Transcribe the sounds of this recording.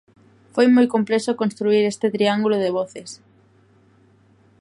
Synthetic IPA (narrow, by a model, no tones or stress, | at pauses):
fojmojkomplesokonst̪ɾuiɾest̪et̪ɾiaŋɡuloðeβ̞ɔθes